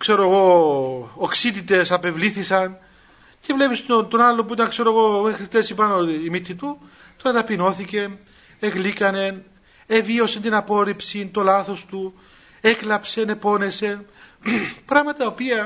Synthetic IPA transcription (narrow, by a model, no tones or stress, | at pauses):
kse̞ɾoeɣo̞ | oksit̪it̪e̞sɐpe̞vliθisɐn | ce̞vle̞pist̪ont̪onɐlːop̬uit̪ɐŋkse̞ɾoeɣo̞mexɾit̪esipɐnoimit̪ːit̪u | t̪oɐt̪ɐpino̞θice̞n | eɣlikɐne̞n | evio̞sent̪inɐpo̞ɾipsint̪o̞lɐθo̞st̪u | e̞klɐpse̞ne̞po̞ne̞se̞n | pɾɐɣmɐt̪ɐopiɐ